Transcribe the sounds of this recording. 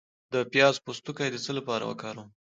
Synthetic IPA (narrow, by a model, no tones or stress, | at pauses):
d̪əpjɑzpost̪ukajd̪ət͡səlapɑɾa̰wə̰kɑɾaw